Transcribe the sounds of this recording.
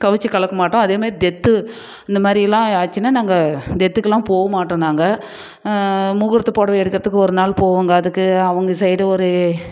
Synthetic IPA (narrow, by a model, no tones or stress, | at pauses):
kɐʋɯt͡ʃːɯkɐɭɐkːɐmaːʈːõɐðeːmaːd̪ɾid̪ɛt̪ːɯ | ɪnd̪ɐmaːd̪ɾɪjɛlːãːaːt͡ʃːɪnːaːnaːŋɡɐd̪ɛt̪ːɯkːɐlːãːpoːɣɐmaːʈːõːnaːŋɡɐ | mʊɣɪɾɐt̪ːɯpoːɽɐʋɐɛɽɯkːɪɾɐðɯkːɯɔɾɯnaːɭpoːʋaːŋɡɐɐðɯkːɯɐʋɐŋɡɐsɐjɾɯɔɾɯ